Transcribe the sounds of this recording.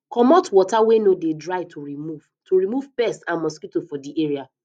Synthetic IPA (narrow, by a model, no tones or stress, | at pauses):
kɔmɔtwɔtawenodedɹaɪtʰoɹimuv̥ | toɹimuvpɛstãnmɔskitofɔdiʔeɹia